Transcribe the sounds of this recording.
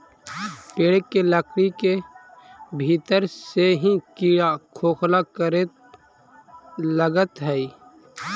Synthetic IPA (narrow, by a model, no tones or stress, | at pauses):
peːɽkeləkʰɽike | bʱiːt̪əɾseɦĩkiːɽakʰoːklakəɾet̪ | ləɡət̪ɦɛi